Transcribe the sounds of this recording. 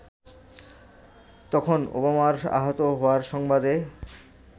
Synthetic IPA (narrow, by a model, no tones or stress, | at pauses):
t̪ɔkʰono̰bamaɾa̰ɦot̪oɦoaɾʃɔŋbad̪e